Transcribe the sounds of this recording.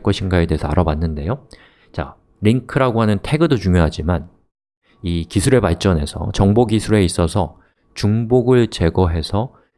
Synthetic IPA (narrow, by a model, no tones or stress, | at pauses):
k͈ʌɕʰinɡaete̞ɦesʰʌa̰ɾʔʌbanːɯnde̞jo | t͡ɕa̰ | ɾiŋkʰɯɾaɡoɦanɯntʰe̞ɡɯdot͡ɕuŋjoɦad͡ʑiman | ikisʰuɾe̞paɭt͡ɕ͈ʌne̞̰sʰʌ̰t͡ɕʌŋboɡisʰuɾe̞is͈ʌsʰʌ | t͡ɕuŋboɡɯɭt͡ɕe̞ɡʌɦe̞sʰʌ